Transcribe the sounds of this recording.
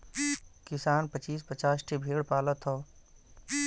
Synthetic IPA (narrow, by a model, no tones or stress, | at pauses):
kɪsaːnpət͡ʃiːspət͡ʃaːsʈʰebʱeːɽpaːlət̪ʰoː